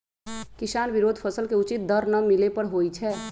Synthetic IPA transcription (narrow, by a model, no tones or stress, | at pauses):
kɪsaːnbiɾoːd̪ʱpʰəsəlkeʊt͡ʃit̪̚d̪əɾnəmilepəɽɦojt͡ʃʰɛ